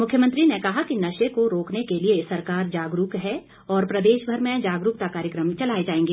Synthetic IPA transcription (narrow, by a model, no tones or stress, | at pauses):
mʊkʰjəmə̃nt̪ɾinekɐɦakinɐʃekoɾoːknekeliesɐɾkaːɾd͡ʒaːɡɾukɦɛ | ɔːɾpɾɐd̪eːʃbʱɐɾmẽd͡ʒaːɡɾʊk̚t̪akaːɾjəkɾəmt͡ʃɐlaːed͡ʒaːẽːŋɡeː